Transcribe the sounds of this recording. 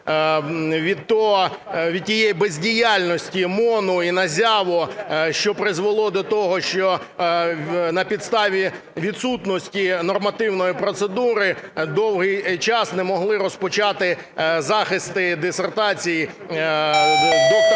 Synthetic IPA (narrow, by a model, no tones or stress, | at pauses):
ʋʲiɔɦɔ | ʋʲid̪̚ʲtʲijejbezʲdʲijalʲnɔsʲtʲimɔnʊinɐzʲɑʋɔʃt͡ʃɔpɾɪzʋɔlˠɔd̪ɔt̪ɔɦɔʃt͡ʃɔ | nɐpʲid̪st̪ɑʋʲi | ʋʲid̪sut̪nɔsʲtʲinɔrmɐt̪ɪwnɔjipɾɔt̪sed̪uɾɪd̪ɔwɦɪjt͡ʃɑsnɛmɔɦlˠɪɾɔspɔt͡ʃɑt̪ɪ | zɑxɪst̪ɪd̪esert̪ɑt͡sʲiji | d̪